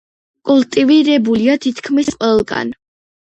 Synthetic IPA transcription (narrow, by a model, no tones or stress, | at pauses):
kʼulˠt̪ʼiviɾɛbuliat̪ʰit̪ʰkʰmisqʼwɛlˠɡa̰n